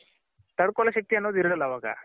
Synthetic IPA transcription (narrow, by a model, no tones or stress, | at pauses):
t̪ɐɽkɔːlɐʃɐk̚t̪iɐnːoːd̪iɾɐɽɐlːaːʋaɡa̰